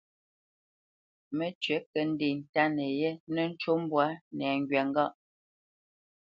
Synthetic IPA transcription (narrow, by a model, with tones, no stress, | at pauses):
mə˦t͡ʃɥɛ˨˦kə˨n̩˦di˨n̩˨ta˦nɛ˨jɛ˦nə˦n̩˦t͡ʃo˦m˦bwa˦nɛ˨ŋ˨ɡɥɛ˨ŋ˦ɡa˦˨ʔ